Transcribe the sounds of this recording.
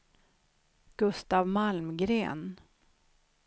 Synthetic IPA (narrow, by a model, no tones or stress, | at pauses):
ɡ̥ɵst̪aːvmalmɡɾeːn